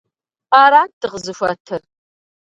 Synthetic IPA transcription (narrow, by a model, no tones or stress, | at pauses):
aːɾaːndɨʁzɨfʷɐtʰɨr